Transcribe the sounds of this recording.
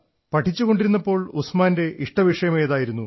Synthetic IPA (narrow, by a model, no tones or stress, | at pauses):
pɐʈʰːit͡ɕːuɣo̞ɳɖiɾunːɐpːo̞ːɭusmaːnde̞ʔiʂʈɐʋiʂɐjɐmeːðaːjiɾunːu